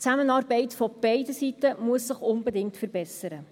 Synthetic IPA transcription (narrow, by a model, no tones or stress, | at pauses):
t͡sæmənɑːrbɛɪtfɔb̥ɛɪdəsitəmuəsːəχʊnbədɪŋktfərbɛsəɾə